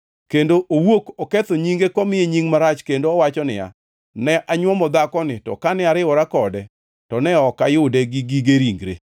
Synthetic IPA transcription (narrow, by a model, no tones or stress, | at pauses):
kendoʔowokɔket̪oɲiŋɡekɔmɪeɲiŋmaɾat͡ʃkendoɔwat͡ʃɔnɪ̰a̰ | nɛʔaɲwɔmɔd̪akɔnɪtɔ̰kanɪaɾɪɔɾakɔdɛ | tɔnɛɔkajʊdɛɡiɡiɡeɾiŋɡɾḛ